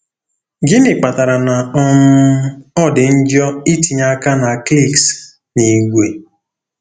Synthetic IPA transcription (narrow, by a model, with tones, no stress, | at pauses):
ɡɪ˦nɪ˨k͡pa˨ta˨ɾa˨na˨ɔ˦m̩˦ɔ˦dɪ˨n̩˦d͡ʒɔ˦i˦ti˨ɲa˦ka˦na˨kli˦˨ks | ni˨ɡʷe˨